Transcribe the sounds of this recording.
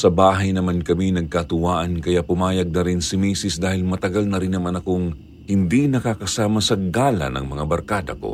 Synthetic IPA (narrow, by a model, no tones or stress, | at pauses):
sɐbaːɦɐjnɐmankɐminɐɡ̚kat̪ʊwaːʔɐnkɐjapʊmaːjɐɡ̚nɐɾɪnsɪmiːsɪsd̪aːhɪlmɐt̪ɐɡalnɐɾɪnːɐmanɐkoŋ | hɪnd̪inɐkakɐsaːmɐsɐɡaːlɐ̰nɐ̰ŋmɐŋabɐɾkaːd̪ɐ̰ko̞̰